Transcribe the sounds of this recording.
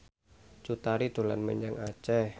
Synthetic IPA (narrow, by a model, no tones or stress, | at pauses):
t͡ʃut̪aɾid̪̥o̤la̰nməɲd͡ʒaŋat͡ʃɛ